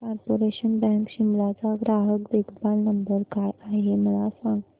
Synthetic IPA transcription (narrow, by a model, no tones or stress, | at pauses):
kɔɾpoɾeɕənbɛ̃ŋkɕimlat͡saɡɾaɦəkd̪ekbalnəmbəɾkaɽaɦeməlasaŋɡ